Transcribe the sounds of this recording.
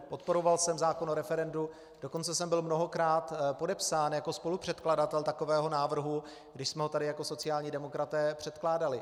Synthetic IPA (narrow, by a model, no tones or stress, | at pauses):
po̞t̪po̞ɾo̞valsɛmzaːko̞noɾɛfɛɾɛndu | d̥o̞ko̞nt͡sɛsɛmbɪlmno̞ɦo̞kɾaːt̪po̞dɛpsaːnjako̞spo̞lupr̝̥ɛt̪kladat̪ɛlt̪ako̞vɛːɦonaːvr̩ɦu | ɡdɪʃsmɛɦot̪adɪjako̞so̞t͡sɪjaːlɲiːdɛmo̞kɾat̪ɛːpr̝̥ɛt̪klaːdalɪ